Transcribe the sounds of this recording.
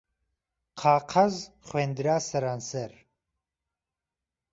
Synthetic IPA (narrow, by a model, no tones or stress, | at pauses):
qʰaːqʰɐz | χweːnd̪ɾaːsɐɾaːnsɐɾ